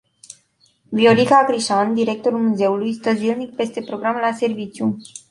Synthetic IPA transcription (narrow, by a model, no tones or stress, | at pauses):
vio̞likakɾiʃand̪iɾe̞k̚t̪oɾulmuze̞ulujst̪əzilnik̚pe̞st̪e̞pɾo̞ɡɾamlase̞rvit͡ʃju